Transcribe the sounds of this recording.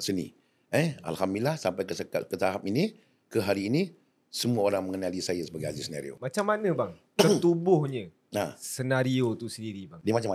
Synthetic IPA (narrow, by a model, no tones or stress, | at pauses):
sənḭ | ea̰lhamilahsampajkəskakət̪aɦapini | kəɦaɾiːni | səmuaoɾaŋməŋənalisajasəbaɡajazisəna̰ɾio̰mat͡ʃamːanəbaŋt̪ət̪ubʊhɲə̃ | asənaɾiot̪usəndiɾibaŋdiəmat͡ʃam